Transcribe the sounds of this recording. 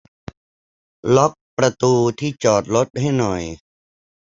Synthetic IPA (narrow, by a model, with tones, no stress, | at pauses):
lɔ˦˥k̚pɾa˧t̪uː˧t̪ʰiː˥˩t͡ɕɔː˨˩t̪̚lo˦˥t̪̚ha˥˩jnɔ˨˩j